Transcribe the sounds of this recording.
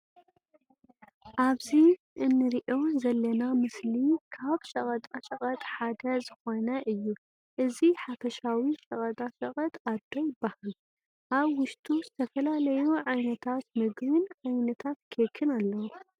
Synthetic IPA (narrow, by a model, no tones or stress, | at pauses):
ʔaβzi | ʔɨnːɨɾiʔo̞zɐlːɐnamɨslikʰaβʃʼɐχʼɐt̪ʼaʃɐχʼɐt̪ʼħad̪ɐzɨxo̞nɐʔɨjːu | ʔɨziħafɐʃawiʃɐkʼɐt̪ʼaʃɐkʼɐt̪ʼad̪ojɪbːahal | ʔaβwʊʃt̪ʰʼuzɨt̪ʰɐfɐlalɐjuʕajnɐt̪ʰat̪mɨɡβɨnʕajnɐt̪ʰat̪kʰekʰɨnalːɐw